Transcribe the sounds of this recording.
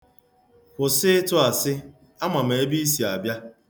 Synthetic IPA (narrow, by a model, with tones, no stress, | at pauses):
kʷʊ˨sɪ˦tʊ˦a˨sɪ˦ | a˦ma˨m˨e˨e˦bi˦i˦s̬i˨a˨bja˦